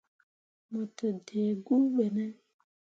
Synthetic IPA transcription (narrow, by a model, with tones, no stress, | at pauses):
mə˨tə˨de˨ɡu˦ɓe˨nɛ̃˦